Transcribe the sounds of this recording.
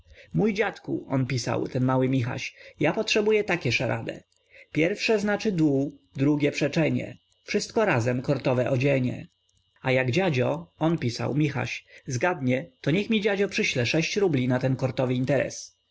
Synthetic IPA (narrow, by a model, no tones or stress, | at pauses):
mujd͡ʑat̪kṵɔnpʲisa̰wt̪ɛnmawɘmʲixa̰ɕjapɔtʂɛbujɛt̪akʲɛʂaɾʔa̰d̪ɛ̰ | pʲjɛɾfʂɛznat͡ʂɘd̪wud̪ɾuɡʲjɛpʂɛt͡ʂɛɲɛ̰ | fʂɘst̪kɔɾazɛmkɔɾt̪ɔvɛʔɔd͡ʑɛɲɛ̰ | ajaɡd͡ʑad͡ʑɔɔnpʲisa̰wmʲixa̰ɕzɡad̪ɲɛt̪ɔɲɛxmʲid͡ʑad͡ʑɔpʂɘɕlɛʂɛɕt͡ɕɾublʲinat̪ɛnkɔɾt̪ɔvɘint̪ɛɾɛ̰s